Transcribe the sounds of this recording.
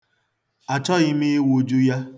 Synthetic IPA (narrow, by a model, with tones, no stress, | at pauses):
a˨t͡ʃɔ˦ɣɪ˦mi˦e˦wu˨d͡ʒu˦ja˦